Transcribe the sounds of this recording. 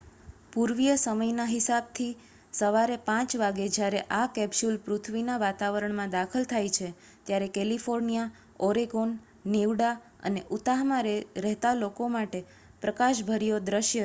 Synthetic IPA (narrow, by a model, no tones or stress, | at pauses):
puɾʋijəsəməjnaɦɪsab̚t̪ʰi | səʋaɾepãt͡ʃʋaɡed͡ʒjaɾeʔakɛbʃulpɾut̪ʰʋinaʋat̪aʋəɾəɳmãd̪akʰəlt̪ʰajt͡ʃʰe | t̪jaɾekɛlifoɾnija | ɔɾeɡonː | iʋɽa | ə̰neʔut̪aɦmãɾɾɛɦt̪alokomaʈe | pɾəkaʃbʱəɾijod̪ɾəʃjə